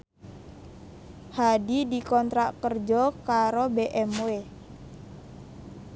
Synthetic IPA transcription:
hadidikɔnt̪ɾaʔkərd͡ʒɔkaɾobeʔɛmwe

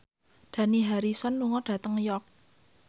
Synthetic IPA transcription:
d̥a̤niɦaɾisɔnːuŋɔɖ̥ä̤t̪əŋjɔk̚

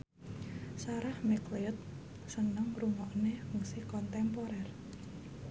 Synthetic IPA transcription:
saɾahmɛkleʊt̪̚ | sənəŋruŋɔʔneuŋsikɔnt̪ɛmpɔɾɛr

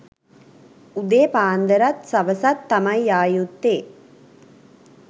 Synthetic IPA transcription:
ud̪eːpaːnd̪ɐɾat̪sɐʋɐsat̪ːɐmɐjjaːjut̪ːeː

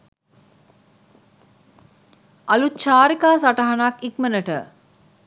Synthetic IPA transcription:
alutt͡ʃaːɾikaːsaʈəɦanakikmənəʈə

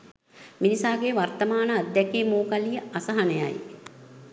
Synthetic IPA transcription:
minisaːɡeʋart̪əmaːnəad̪ːɛkiːmoːkalijəasəɦɐneja̰j

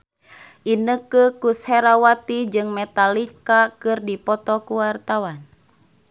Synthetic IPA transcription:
ʔinəkəkushɛɾawat̪id͡ʒɨŋmɛt̪alikakɨrdipɔt̪ɔkuwart̪awan

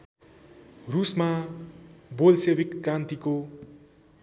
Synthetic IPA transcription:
rusma | bolsebikːrãnt̪iko

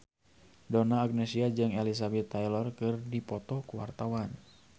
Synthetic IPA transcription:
dɔnaːɡ̚nɛsiad͡ʒɨŋɛlis̬abɛt̪ːajlɔrkɨrdipɔt̪ɔkuwart̪awan

